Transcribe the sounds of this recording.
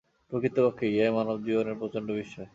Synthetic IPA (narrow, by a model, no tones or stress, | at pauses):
pɾokɾit̪ːopokʰːeiajmanobd͡ʑiboneɾpɾot͡ɕoɳɖobiʃːɔe